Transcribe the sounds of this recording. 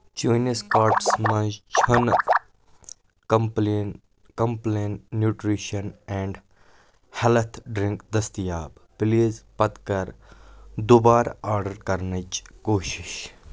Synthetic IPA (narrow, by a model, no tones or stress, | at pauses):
t͡ʃoːneskaːɾʈsmɐ̃nd͡ʒt͡ʃʰɐn | kln | kɐmpleːnːjuːʈɾiːʃɐnɛ̃ɳɖ | hɛlt̪ʰɖɾɪ̃ŋkd̪ɐst̪ijaːbpliːzpɐt̪kɐɾ | d̪ubaːɾaːɾɖəɾkɐɾnɐt͡ʃkoːʃiʃ